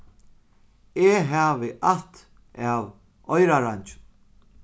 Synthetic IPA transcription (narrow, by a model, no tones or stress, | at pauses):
eɦaːvɪʔat̪ | ʔaːw | ɔjɾaɾaɲt͡ʃ